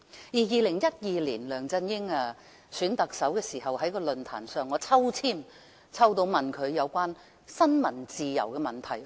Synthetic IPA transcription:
jiː˨˩jiː˨˧lɪ˨˩ŋjɐ˥t̚jiː˨˧liː˨˩nlœː˨˩ŋt͡sɐ˧njɪ˥ŋaː˧ | syː˨˥nt̪ɐ˨k̚sɐ˨˥wkɛː˧siː˨˩hɐ˨whɐ˨˥jkɔː˧lɵ˨nt̪ʰa̰ː˨˩nsœː˨ŋːɔː˨˧t͡sʰɐ˥wt͡sʰiː˥m | t͡sʰɐ˥wt̪o˧wmɐ˨˩nkʰɵ˨˧ɥjɐ˨˧wkʷaː˥n | sɐ˥nmɐ˨˩nt͡siː˨jɐ̰˨˩wkɛː˧mɐ˨nt̪ʰɐ˨˩j

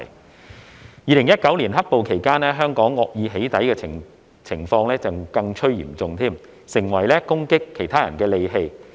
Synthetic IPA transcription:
j | jiː˨lɪ˨˩ŋjɐ˥t̚kɐ˨˥wliː˨˩nɦɐ˥k̚po˨wkʰe˨˩jkaː˥nɛː˥ɦœː˥ŋkɔː˨˥ŋːɔː˧k̚jiː˨˧ɦe˨˥jt̪ɐ˨˥jkɛː˧ɪ˨ | t͡sʰɪ˨˩ŋfɔː˧ŋlɛː˥t͡sɐ˨wkɐ˧ŋt͡ʃʰɵ˥ɥjḭː˨˩mt͡sʊ˨ŋt̪ʰiː˥m | sɪ˨˩ŋwɐ˨˩jlɛː˥kʊ˥ŋkɪ˥kʰːe˨˩jt̪ʰaː˥jɐ˨˩nkɛː˧le˨˧jɦe˧j

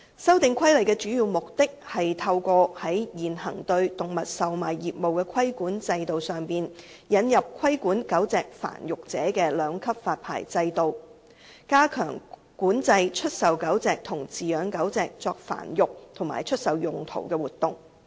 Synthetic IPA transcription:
sɐ˥wt̪ɪ˨˧ŋkʰɐ˥jlɐ˨˩jkɛ˧t͡ʃyː˨˥jiː˨˧wmʊ˨k̚t̪ɪ˥k̚hɐ˨jt̪ʰɐ˧wkɔː˧hɐ˨˥jjiː˨nhɐ̰˨˩ŋt̪ɵ˧ɥt̪ʊ˨ŋmɐ˨t̚sɐ˨wmaː˨˩jjiː˨p̚mo˨wkɛː˧kʰɐ˥jkuː˨˥nt͡sɐ˧jt̪o˨wsœː˨˩ŋpiː˨n | jɐ˨˧njɐ˨p̚kʰwɐ˥jkuː˨˥nkɐ˨˥wt͡sɛː˨k̚fa̰ː˨˩njʊ˨k̚t͡sɛː˨˥kɛː˧lœː˨˧ŋkʰɐ˥p̚faː˧t̚pʰa̰ː˨˩jt͡sɐ˧jt̪o˨w | kaː˥kʰœ̰ː˨˩ŋ | kuː˨˥nt͡sɐ˧jt͡ʃʰɵ˥t̚sɐ˨wkɐ˨˥wt͡sɛː˨k̚t̪ʰʊ˨˩ŋt͡siː˨jœː˨˧˥ŋkɐ˨˥wt͡sɛː˨k̚t͡sɔː˧k̚fa̰ː˨˩njʊ˨k̚t̪ʰʊ˨˩ŋmaː˨˩jt͡ʃʰɵ˥t̚sɐ˨wjʊ˨ŋt̪ʰo̰˨˩wkɛ˧wuː˨˩t̪̚ːʊ˨˩ŋ

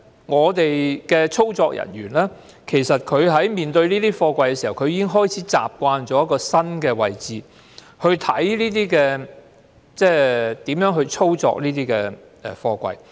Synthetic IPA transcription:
ŋɔː˨˧t̪e˨jkɛː˧t͡sʰo˥wt͡sɔː˧k̚jʔɐ̰˨˩nɥyː˨˩nlɛː˥ | kʰe˨˩jsɐ˨t̚kʰɵ˨˧ɥɦɐ˨˥jmiː˨nt̪ɵ˧ɥniː˥t̪iː˥fɔː˧kʷɐ˧jkɛ˧si˨hɐ˨˩wkʰɵ˧ɥjiː˧kɪ˥ŋɦɔː˥˩jt͡sʰiː˨˥t͡sa̰ː˨p̚kʷaː˧nt͡sɔː˨˥jɐ˥tkːɔː˧sɐ˥nkɛː˧wɐ˨jt͡siː˨˧ | hɵ˧ɥt̪ʰɐ˨˥jliː˥t̪iː˥kɛː˧ | t͡sɛː˥˩t̪iː˨˥mjœː˨˥ŋɦɵ˧ɥt͡ʃʰo˥wt͡sɔ̰ː˧k̚niː˥t̪iː˥kɛː˧ | ɛ˨˩fɔː˧kʷɐ̰˧j

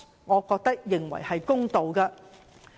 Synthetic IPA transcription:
ŋɔː˨˧kɔː˧k̚t̪ɐ˥k̚jɪ˨ŋwɐ̰˨˩jhɐ˨jkʊ˥ŋt̪o˨wkɐ˧

